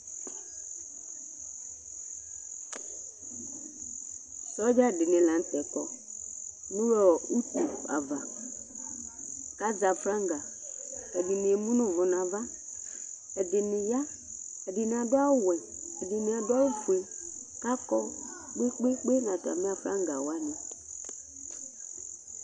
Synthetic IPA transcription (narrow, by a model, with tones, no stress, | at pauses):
sɔ˦d͡ʒa˦˨ɖɪ˨nɪ̃˨lã˨n̩˦t̪ɛ˨kɔ˨ | nũ˦wɛ˦ɔ˨u˦t̪u˨a̰˨va˨ | ka˦za˨flã˦ŋ˦ɡa˨ɛ˨dɪ˨nĩ˨e˨mũ˦nʊ̃˦vʊ˨nã˨va˦ | ɛ˨dɪ˨nɪ̃˨ja˦ | ɛ˨dɪ˨n˨a˨dʊ˦a˦wɛ˨ | ɛ˨dɪ˨nɪ̃˨a˨da˦wu˦fu˨e˨ka˦kɔ˦k͡pe˦k͡pe˦k͡pe˦n˨ã˨t̪a̰˨mĩ˦a˨fɾã̰˦ŋɡa˨wa˦nĩ˨